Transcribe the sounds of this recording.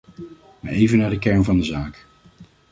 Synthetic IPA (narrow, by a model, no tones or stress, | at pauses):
maːɹejvənaːɹdəkɛɹnvɑndəzaːk